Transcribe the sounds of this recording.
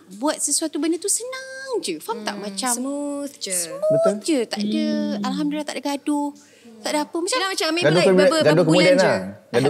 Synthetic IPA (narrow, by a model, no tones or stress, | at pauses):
buat̪̚səsuat̪ubəndət̪usənaŋd͡ʒɨfamt̪aʔmãt͡ʃad͡ʒəsbət̪ʊd͡ʒət̪a̰ʔdəalɦamdulːaht̪aʔdəɡadʊ | t̪aʔdəapəmat͡ʃaaaamiɡadukəbɡadokəmudanlaɡad